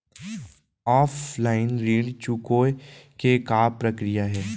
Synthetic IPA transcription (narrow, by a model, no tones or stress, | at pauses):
ɔːflaːɪnɾeːɽt͡ʃukoːjkekaːpɾɐkɾijaɦɛː